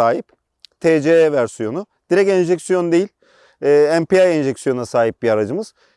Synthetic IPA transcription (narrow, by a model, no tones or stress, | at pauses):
aːɦip | t̪ʰeːd͡ʒeɛvæɾsijo̞nʊ | d̪̥iɾɛcɛnʒɛcsijo̞nd̪e̞jilʲ | ɛːæmpiajɛnʒɛcsijo̞nnasaːɦip̚biaɾad͡ʒɯmɯz̥